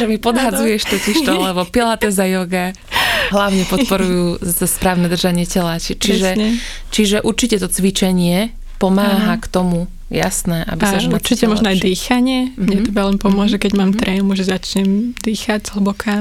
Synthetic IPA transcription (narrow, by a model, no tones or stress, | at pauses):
ʒɛmipɔd̪ɦad͡zujɛʃt̪ɔciʃt̪ɔlɛbɔpilat̪ɛzajɔɡa | ɦlaʊɲɛpɔt̪pɔɾujuːzaspɾaːʊnɛd̪r̩ʒaɲɪɛcɛlacit͡ʃiʒɛɲɛ | t͡ʃiʒɛʔuɾt͡ʃicɛt̪ɔt͡sʋit͡ʃɛɲɪɛ | pɔmaːɦakt̪ɔmu | ja̰snɛʔa̰bisauɾt͡ʃicɛmɔʒnɔajd̪iːxaɲɪɛmɲɛɛbalɛnpɔmʊɔʒɛkɛɟmaːmt̪ɾʔɛmuʒɛzat͡ʃɲɛmd̪iːxaɟzɦ̩bɔkʰa